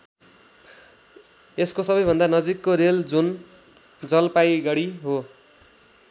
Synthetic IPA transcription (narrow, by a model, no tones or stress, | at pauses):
eskosʌbʌjbʱʌnd̪anʌd͡zikːoɾeld͡zun | d͡zʌlpajɡʌɽiɦo